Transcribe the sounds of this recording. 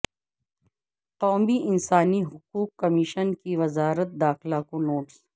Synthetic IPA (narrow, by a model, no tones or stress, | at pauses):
qɔːmiʔɪnsaːniɦʊquːqːɐmiʃənkiʋɐzaːɾət̪̚d̪aːxɪlakonoːʈs